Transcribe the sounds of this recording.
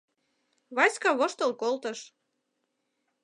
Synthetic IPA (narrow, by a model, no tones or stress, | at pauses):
βɑskɑβoʃt̪əlkolt̪ə̆ʃ